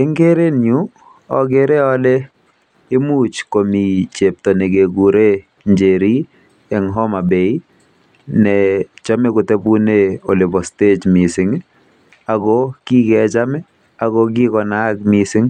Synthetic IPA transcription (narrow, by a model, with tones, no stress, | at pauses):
ɛ˦ŋɡe˦ɾe˦nju˦ | ɔ˨ɡe˦ɾɛ˦ɔ˦le˦ | ɪ˦mu˦t͡ʃko˨mi˨t͡ʃe˨p̚tɔ˨nɛ˨ɡe˨ɡu˨ɾe˦ | ɲd͡ʒe˨ɾi˦ | ɛ˨ŋɦɔ˦ma˨be˨i˦ | nɛ˨t͡ʃa˦mɛ˦kʊ˨te˦bu˦ne˦o˨lɪ˨bɔ˨ste˦t͡ʃmi˨sɪ˨ŋ | a˨ɡɔki˦kɛ˨t͡ʃa˦mɛ˦ | a˨ɡɔk̬ɪ˦kɔ˨na˦kmisɪ˦ŋ